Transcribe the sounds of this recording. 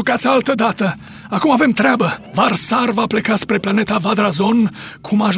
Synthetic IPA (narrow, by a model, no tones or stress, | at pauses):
ukat̪sʲalt̪əd̪at̪ə | akumave̞mt̪ɾʲeabəvarsarvaple̞kaspɾe̞plane̞t̪avad̪ɾazo̞nkʰumaʒ